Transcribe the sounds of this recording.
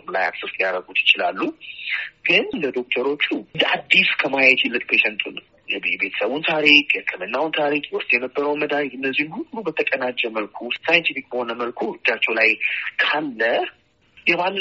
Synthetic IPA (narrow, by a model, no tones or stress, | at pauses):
mla̰ja̰t̪sust̪ʼjaɾəɡut̪jɪ̥t͡ʃɪla̰lːu | ɡ̥ɨnləd̪o̞k̚t̪ʰəɾo̞t͡ʃːuləad̪ːiskʰəmajt͡ʃʰɪlːɨkʼpʰeʃɛnt̪ʰunəw | jɛbe̞t̪ʰə̥səβunt̪ʰaɾikʼjkʰəmənːawnt̪ʰaɾikʼʊst̪ʼjɛnəbːəɾəwməd̪aɾiɨnːəzːihnhulːubət̪ʰəkʼənad͡ʒːɛməlkʰusajɛnt̪ʰifikʼbəho̞nəməlkʰuɨd͡ʒːat͡ʃːɛwlajkʰalːə | jɛbalː